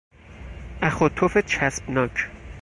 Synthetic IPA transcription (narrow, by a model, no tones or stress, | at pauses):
ʔæxot̪ʰofet͡ʃʰæsb̥nɒːcʰ